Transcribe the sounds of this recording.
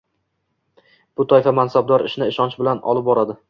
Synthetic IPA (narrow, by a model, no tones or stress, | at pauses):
b̥ʊt̪ʰɒɪfamansab̚d̪ɒɾɪʃnɪːʃɒnt͡ʃbɪlanɒ̰lˠɪp̚bɒɾad̪ɪ